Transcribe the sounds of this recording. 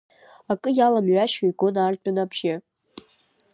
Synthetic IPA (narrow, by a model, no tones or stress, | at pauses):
akʼɨjalamʕʷaʃojɡonartʼʊnapʰʃɪ